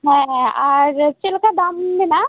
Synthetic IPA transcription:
ɦɛ̃ɦɛ̃ɔːɾt͡ʃɪlkad̪ambina

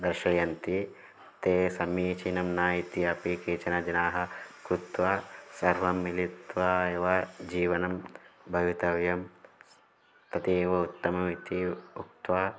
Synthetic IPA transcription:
d̪ɐɾʃɐjɐnt̪i | t̪eːsɐmiːt͡ʃinɐmnaːjit̪jɐpiːkeːt͡ʃɐnɐd͡ʒ̪ɐnaːɦɐkɾut̪ʋɐsɐɾʋɐmːilit̪ʋaːeːʋɐd͡ʒiːʋɐnɐmbʱɐjut̪ɐʋjɐm | t̪ʰɐt̪ieːʋɐut̪ːɐmɐʋit̪iuk̚t̪ʋaː

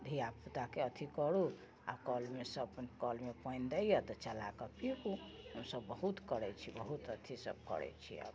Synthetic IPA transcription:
d̪ʱiaput̪akeət̪ʰikəɽu | a̰bkəlmesəbnkəlmepə̃ɪnd̪əjjət̪ɔt͡ʃəla̰kɔpikuhəmsəbːəɦut̪kəɽɛt͡ʃʰibəɦut̪ət̪ʰisə̰b̚kə̰ɽɛ̰t͡ʃʰḭə̰b

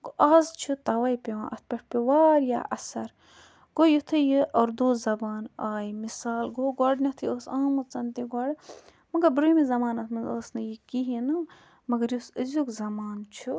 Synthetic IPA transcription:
ɡoʔɐzt͡ʃʰut̪ɐʋɐjpʲewã̰ːnʔɐ̰t̪̚ʰpʲeʈ̚ʰpʲiʋaːɾja̰ːʔɐsɐɾ | ɡ̥ojut̪ʰɨjiʔɐːɾd̪oːzɐbaːnaːjmisaːlɡoɡaɖnʲɐt̪ʰɨjoːsaːmɨt͡sɐnt̪iɡɐːɽɨ | mɐɡɐɾbɾumizɐmaːnɐt̪ʰmɐnzəːsnɨjikiɦinɨ | mɐɡɐɾjusɨzukzɐmaːnt͡ʃʰu

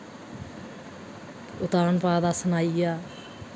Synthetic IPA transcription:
ʊt̪aːɳpaːd̪aːsənaːijaː

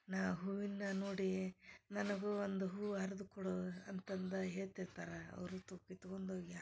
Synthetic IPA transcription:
naːɦuːʋinːɐnoːɽinɐnɐɡuond̪uɦuːɦɐɾɐd̪ukoɽoɐnt̪ɐnd̪ɐɦeːɭt̪iɾt̪aːɾɐɐ̰ʋɾut̪ukːit̪ukond̪oːɡi

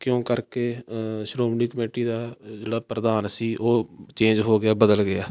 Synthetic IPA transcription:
kjõːkəɾkeːʃɾoːmniːkəmeːʈiːd̪aːd͡ʒeːɽaːpɾəd̪aːnsiːʔoːt͡ʃẽːd͡ʒɦoːɡɪjaːbəd̪əlɡɪaː

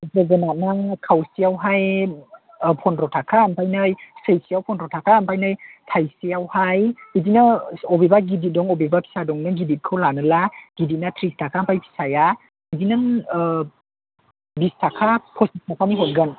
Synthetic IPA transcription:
zeɡənanakʰawsiawɦaj | pʰɔnɾɔtʰakʰampʰajnɯjsejsiawpʰɔnɾɔtʰakʰampʰajnɯjtʰajsiawhajidinaɔbebaɡidit̚dɔŋɔbebapʰi̥sadɔŋnɯɡidit̚kʰɯwlanɯlaɡ̥idit̚natʰɾistʰakʰampʰajpʰi̥saja | idinɯŋ | bistʰakʰapʰɔsismapʰamiɦɔnɡən

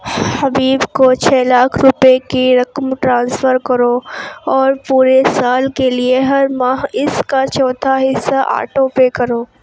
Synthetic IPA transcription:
hɐbiːbkot͡ʃʰɛːlaːkʰɾʊpekiɾɐkmʈɾãːnsfəɾkɐɾoɔːɾpuːɾesaːlkelieɦɐɾmaːɦɪskat͡ʃɔːt̪ʰaɦɪsːaʔa̰ːʈõpekɐɾoː

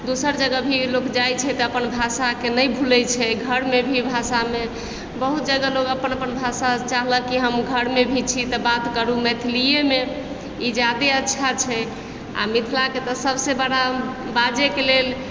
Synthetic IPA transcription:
d̪osəɾd͡ʒəɡəbʱilokd͡ʒajt͡ʃʰɛt̪ɔəpənbʱasakenəjbʱulɛt͡ʃʰɛɡʱəɾmebʱibʱasame | bəɦut̪̚d͡ʒəɡəloɡəpənəpənbʱasat͡ʃaɦləkiɦəmɡʱəɾmebʱit͡ʃʰit̪ɔbat̪kəɾumɛt̪ʰlijeme | id͡ʒjad̪eətːʃʰat͡ʃʰɛ | a̰mit̪ʰlaket̪ɔsəbsebəɽa | bad͡ʒekelel

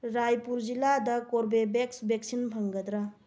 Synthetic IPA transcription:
ɾajpuɾd͡ʒiladɐkoɾbebeksbek̚sinpʰaŋɡɐd̪ɾa

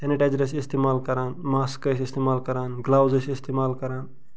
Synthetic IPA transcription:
t̪ɐniʈad͡ʒɾɐs̬ist̪emaːlkɐɾaːnmaːskəsist̪eːmaːlkɐɾaːnɡlaːwzɐsist̪eːmaːlkɐɾaːn

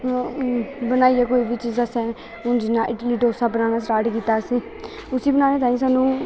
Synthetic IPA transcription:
bənaːiːɛːkoːiːbiːt͡ʃiːzasɛ̃ː | ʊnd͡ʒinaːʔɪʈliːʈoːsaːbənaːnaːsɾaːʈkiːt̪aːsiː | ʊsiːbənaːneːt̪aːĩːsaːnũː

